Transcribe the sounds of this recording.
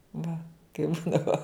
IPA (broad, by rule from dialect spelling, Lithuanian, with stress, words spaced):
ʋɐ kɐɪp ˈbuːdɐʋoː